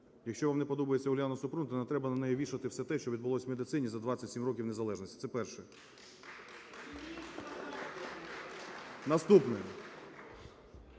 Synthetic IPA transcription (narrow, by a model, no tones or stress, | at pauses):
jɐkʃʲt͡ʃɔʋamnɛpɔd̪ɔbɐjet͡sʲɐʊlʲjanɔsʊpɾunt̪ɔnɛt̪ɾɛbɐnɐnɛjɛʋʲiʃɐt̪ɪwsɛt̪ɛʃt͡ʃɔʋʲid̪̚bʊlˠɔsʲwmed̪ɪt̪sɪnʲizɐd̪ʋat͡sʲːɐtʲsʲimɾɔkʲiwne̞zɐlˠɛʒnɔsʲtʲi̥t̪sɛpɛrʃɛ | nɐst̪upnɛ